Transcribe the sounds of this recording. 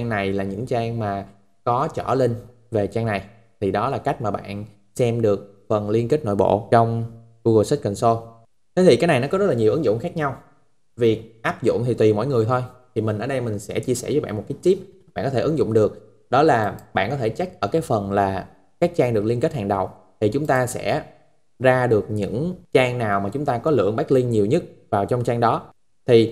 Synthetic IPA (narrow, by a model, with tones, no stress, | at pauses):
ŋna˨˩jlaː˨˩ɲɨ̰˧˥ŋt͡ɕaː˧ŋmaː˨˩ | kɔ˨˦t͡ɕə̰˧˩le˧n | ve˨˩t͡ɕaː˧ŋna˨˩j | t̪ʰi˨˩ɗɔ˨˦laː˨˩ka˦˥jk̟̚maː˨˩ɓa̰ː˧˨n | sɛ˧mɗɨ˨˩ək̚ | fə˨˩nli˧ənki˦˥t̚no̰˧˨jɓo̰˧˨t͡ɕɔ˧wŋ͡m | ɣu˧ɣo˧˩s̚kə˨˩nso˧ | t̪ʰe˨˦t̪ʰi˨˩kaː˨˦jna˨˩jnɔ˨˦kɔ˨˦zə˦˥t̚laː˨˩ɲi˨˩əwʔɨ˨˦ŋzʊ̰˧˨ŋ͡mxaː˦˥k̚ɲa˧w | vi˨˩ʔaː˦˥p̚zʊ̰˧˨ŋ͡mt̪ʰi˨˩t̪wi˨˩mo̰˧˥˨jŋɨ˨˩əjt̪ʰo˧jt̪ʰi˨˩mï˨˩ŋ̟əː˧˩ɗə˧jmï˨˩ŋ̟sɛ̰˧˥t͡ɕi˧əsɛ˧˩və˨˦jɓa̰ː˧˨mo˨˩t̚kaː˨˦˥jt̪t͡ɕi˦˥p̚ɓa̰ː˧˨nkɔ˨˦e˧˩ʔɨ˨˦ŋzʊ̰˧˨ŋ͡mɗɨ˨˩ək̚ | ɗɔ˨˦laː˨˩ɓa̰ː˧˨nkɔ˨˦t̪ʰe˧˩t͡ɕa˦˥jk̚ʔəː˧˩kaː˨˦jfə˨˩nlaː˨˩ | kaː˦˥k̚t͡ɕaː˧ŋɗɨ˨˩ək̚li˧nke˦˥t̚ha̰ː˧˨˩ŋɗə˨˩w | t̪ʰi˨˩t͡ɕʊ˨˦ŋ͡mt̪aː˧sɛ̰˧˥ | zaː˧ɗɨ˨˩ək̚ɲɨ̰˧˥ŋt͡ɕaː˧ŋnaː˨˩wmaː˨˩t͡ɕʊ˨˦ŋ͡mt̪aː˧kɔ˨˦lɨ̰˧˨əŋɓaː˦˥k̚li˧ŋɲi˨˩əwɲə˦˥t̚vaː˨˩wt͡ɕɔ˧wŋ͡mt͡ɕaː˧ŋɗɔ˨˦ | t̪ʰi˨˩